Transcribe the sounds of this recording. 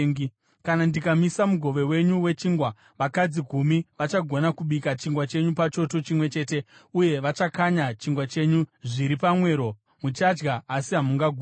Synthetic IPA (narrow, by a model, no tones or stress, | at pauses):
ŋ | kanandikamisamuɡʱo̞ʋe̞we̞ɲuwe̞t͡ʃiːŋɡwa | ʋakad͡ziɡʱumiʋat͡ʃaɡʱo̞nakuɓikat͡ʃiŋɡwat͡ʃe̞ɲupat͡ʃo̞to̞t͡ʃimwe̞t͡ʃe̞ːte̞uje̞ʋat͡ʃakaɲat͡ʃiŋɡwat͡ʃe̞ɲuʐiɾipamwe̞ːɾo̞ | mut͡ʃad͡ʒɡaːsiɦamuŋɡaɡʱu